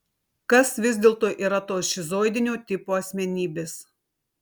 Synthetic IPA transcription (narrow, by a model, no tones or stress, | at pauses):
kɐsʋʲɪzʲd̪ʲeːlˠt̪oːjʔiːɾɐt̪oːsʃʲɪzoːɪd̪ʲɪnʲoːt̪ʲɪpoːɐsʲmʲɛnʲiːbʲeːs